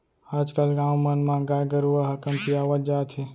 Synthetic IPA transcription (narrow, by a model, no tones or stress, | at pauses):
aːd͡ʒkəlɡãwmənmãɡajɡəɾuəɦəkəmpijaʋəld͡ʒaːt̪ʰi